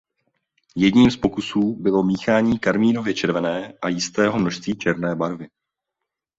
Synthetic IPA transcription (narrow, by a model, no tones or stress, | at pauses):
jɛdɲiːmspo̞kusuːbɪlo̞miːxaːɲiːkaɾmiːno̞vjɛt͡ʃɛɾvɛnɛːʔajɪst̪ɛːɦo̞mno̞ʃst̪viːt͡ʃɛɾnɛːbaɾvɪ